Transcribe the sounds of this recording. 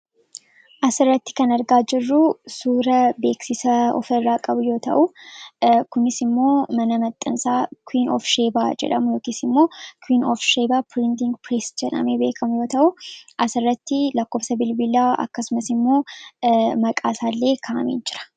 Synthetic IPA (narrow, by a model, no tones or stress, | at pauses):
ʔɐsɪrːɐt̪ːɪ̥kɐnɐɾɡaːd͡ʒɪrːʊsuːɾɐbe̞ːksɪsɐɔ̰fɐrːaːkʼɐbʊjo̞ːt̪ɐ̰ʔʊ | kʊnɪsɪmːo̞ːmɐnɐmɐt̪ʼːɐnsaːkwiːnɔ̰fʃe̞ːbaːd͡ʒɛ̰ᶑɐmʊjo̞ːkiːsɪmːo̞ːkwiːnɔfʃeːbaːpɾɪnt̪ɪŋɡpɾeːsd͡ʒɛᶑɐ̰meːbe̞ːkʰɐmʊjo̞ːt̪ɐʔʊʔɐsɪrːɐt̪ːɪlɐkːo̞ːbsɐbɪlbɪlaːɐ̰kːɐsʊmɐsɪmːo̞ː | mɐkʼaːsaːlːe̞ːkʰaʔɐ̰mḛːnd͡ʒɪɾɐ̥